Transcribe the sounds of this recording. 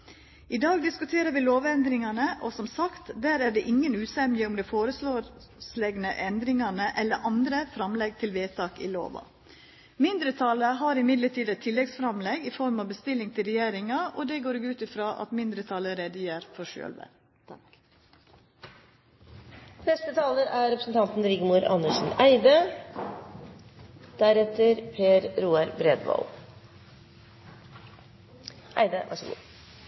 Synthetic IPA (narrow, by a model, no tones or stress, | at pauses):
ɪd̪ɑːɡd̪ɪskʉt̪ʰeːɾəʋɪloːʋɛnd̪ɾɪŋɑnəʔɔsɔmsɑkt̪d̪æːɾæːɖɛːʔɪŋːənʉːsɛmjəʊmd̪ɛfoːɾəsloː | slɛɡnəʔɛnd̪ɾɪŋɑnəʔɛlːəɾʔɑnd̪ɾəfɾɑmlɛɡ̚t̪ʰɪlʋeːt̪ʰɑːkɪ̰lo̰ːʋɑ̰ | mɪnd̪ɾət̪ʰɑləɦɑɾɪmɪd̪ləʈʰiːd̪ət̪ʰːɪlːɛɡsfɾɑmlɛɡɪfɔɾmɑʋbəst̪ɪlːɪŋt̪ʰɪlɾɛjeːɾɪŋɑʔoːd̪eːɡoːɾeɡʉːt̪ɪfɾɑːʔɑ̰t̪mɪnd̪ɾət̪ʰɑləɾeːd̪əjæːɾfɔʃø̰ːlʋə̰ | nɛst̪ət̪ʰɑːləɾæɾɛpɾəsn̩t̪ʰɑnt̪n̩ɾɪɡəmuɾʔɑ̰nəʂn̩æɪd̪ə | d̪̥æɾɛt̪əɾpʰeːɾɾuːɑɾbɾɛd̪ʋɑ̰l | ʔæ̰ɪd̪əʋʔæ̰ʂəɡṵː